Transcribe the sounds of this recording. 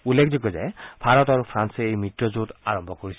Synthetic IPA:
ulːekʰzɔkɔza̰jpʰaɹɔtaɹupʰɹansɛejmitːɔzuta̰ɹɔmbʱɔkoɹisɛ

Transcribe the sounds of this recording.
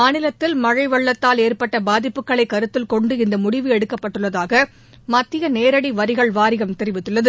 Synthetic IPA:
maːnɪlɐt̪ːɪlmɐɻɐɪʋɐɭːɐt̪ːaːleːrpɐʈːɐbaːðɪpːɯkːɐɭɐɪkːɐɾɯt̪ːɪlkɔɳɖɯɪnd̪ɐmʊɽɪʋɯɛɽɯkːɐpːɐʈːɯɭːɐðaːɣɐ | mɐt̪ːɪjɐneːɾɐɽiʋɐɾɪɣɐɭʋaːɾɪɣɐmt̪ɛɾɪʋɪt̪ːɯɭːɐðɯ

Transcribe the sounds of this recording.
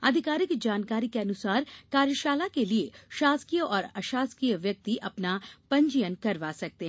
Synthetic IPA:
ɐd̪ʱɪkaːɾɪkd͡ʒaːnkaːɾikeɐnʊsaːɾkaːɾjəʃaːlakelieʃaːskijəʔɔːɾɐʃaːskijəʋjɐk̚t̪iʔɐpnapɐ̃ɲd͡ʒijənkɐɾʋaːsɐk̚t̪eɦ

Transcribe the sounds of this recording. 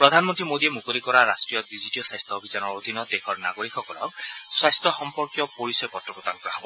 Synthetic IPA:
pɹɔd̪ʱanmɔnt̪ɹimod̪iemukoɾikɔɾaɾasʈɹijɔdizitiɔsajst̪ʰɔobʱit͡ʃanɔɹod̪ʱinːɔd̪ekʰɔɹna̰ɡoɾikʰɔkɔlɔ̰k̚swajst̪ɔxɔmpɔɹkjɔpoɹisɔjkɔtɹɔkɔt̪ankɔɾaɦɔbɔ

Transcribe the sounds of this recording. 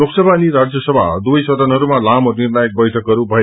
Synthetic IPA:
loksʌbʱaniɾad͡zjʌsʌbʱa̰d̪ujsʌd̪ʌnɦʌɾumalamonirnajek̚bʌjʈʰʌkɦʌɾubʱʌe

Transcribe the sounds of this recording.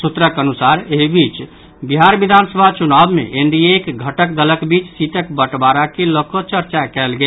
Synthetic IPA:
sut̪ɾəkənusaɾeɦibit͡ʃ | biɦaɾbid̪ʱansəbʱat͡ʃunabmḛʔeɳɖiekɡʱəʈəkd̪ələkbit͡ʃsit̪əkbəʈbaɾakelokot͡ʃəɾt͡ʃakɛlɡe

